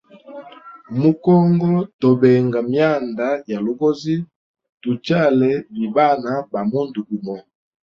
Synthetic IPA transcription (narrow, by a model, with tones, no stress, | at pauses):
mu˦kɔ˦ŋɡɔ˦to˨be˨ŋɡa˨mja˦˨nda˨˦ja˨lo˨ɡo˦zi˦ | tu˨t͡ʃa˦˨lɛ˨˦bi˨ba˦na˨˦ba˨mu˦ndu˨bi˨mɔ˨